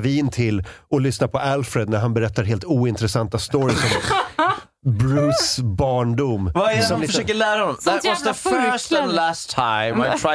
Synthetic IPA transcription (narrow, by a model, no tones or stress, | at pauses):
viːnt̪ʰɪlɔlʏsnapʰɔalfɾɛd̪̚næɾɦanbɛɾɛt̪ːaɾɦeːlt̪uːɪnt̪ɾɛsant̪ast̪oːɾɪsɔm | bɾʉːsbɑːɳɖumvasɔmnɪfəʂøːkəlæːɾaɔ̃nːɔmðətwɔsðəfɜsə̃nlæstʰːãɪ̃maɪtʰɹ̥a